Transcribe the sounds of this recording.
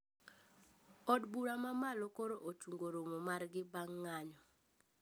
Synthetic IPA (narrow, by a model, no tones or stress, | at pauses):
ɔdbuɾamamalokoɾoʔot͡ʃuŋɡoɾomomarɡɪbaŋːaɲɔ